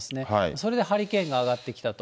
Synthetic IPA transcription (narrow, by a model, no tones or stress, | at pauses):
sɨnehaiso̞ɾe̞d̪ehaɾʲikẽ̞ŋɡaːɡat̪ːe̞kʲi̥t̪at̪o